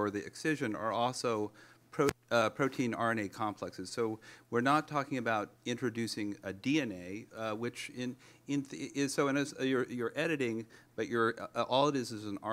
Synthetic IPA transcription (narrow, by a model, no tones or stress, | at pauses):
ə˞ðiɨ̰ksɪʒɨ̃nə̰˞ɔlˠsoʊpʰɹ̥oʊpʰɹ̥oʊtʰĩnɑɹɨ̃neɪkʰɑ̃mpʰl̥ɛksɨz̥soʊwɪɹnətʰɔkɪ̃ŋɨbaʊɾɪ̃nt͡ʃɹ̥ɨdʉsɪ̃ŋɨdiɛ̃neɪwɪt͡ʃɪ̃n | ɪ̃nɪsoʊɨ̃nɨjə˞jə˞ʔɛɾɨɾɪ̃ŋb̥ʌt͡ʃə˞ʔɔlˠəɾɨzɨz̃n̩ɑ